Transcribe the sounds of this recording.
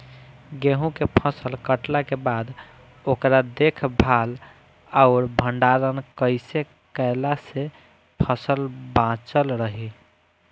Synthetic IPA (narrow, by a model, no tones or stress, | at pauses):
ɡeɦũkepʰəsəlkəʈlakebad̪ | okɾad̪ekʰbʱal | aʊɾbʱəɳɖaɾənkəɪse | kəɪlase | pʰəsəlbãt͡ʃəlɾəɦi